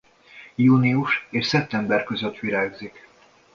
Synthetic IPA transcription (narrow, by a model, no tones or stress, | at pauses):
juːniuʃeːʃsɛp̚t̪ɛmbɛrkø̞zøt̪ːʋiɾaːɡzik